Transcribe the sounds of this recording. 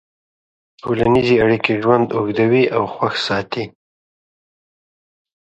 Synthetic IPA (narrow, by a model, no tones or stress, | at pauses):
ʈʰolanizeaɽikeʒwand̪ʊɡd̪awiʔawxwaxsɑt̪i